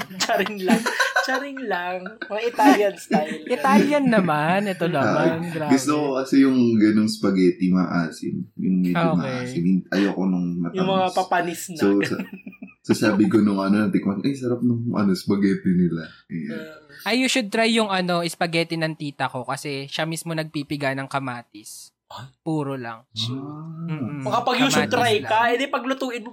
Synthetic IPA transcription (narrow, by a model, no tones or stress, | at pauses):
t͡ʃɐɾɪŋlŋt͡ʃɐɾɪŋlɐŋʔɪt̪aljɐnsaʔɪt̪aljɐnːɐmanʔɛt̪onɐamnɡɾaɡʊst̪okokɐsɛjʊŋɡɐnonspɐɡɛːt̪ɪmɐʔaːsɪ̰njʊŋmɛdomaʔa̰ːsɪnɪʔɐjokonʊŋmɐt̪jɐŋmɐŋapɐpɐnɪsnsosɐsɐsaːbɪkonʊŋɐnonɐt̪ɪk̚mɐnʔɐjs̬ɐɾap̚nʊŋʔɐ̰nospɐɡɛːt̪ɛnɪlajanʔɐjːuʃʊd̪̚t̪ɾajːʊŋɐno̞ʔɪspɐɡɛːt̪ɪnɐŋt̪iːt̪ɐko̞kɐsɛʃɐmismonɐɡ̚pipɪɡanɐŋkɐmaːt̪ɪs | puːɾolɐ̰ŋ | m̩ːɐkɐpɐɡjuʃʊd̪ɾajkɐɛd̪ɪpɐɡlʊt̪uːʔɪd̪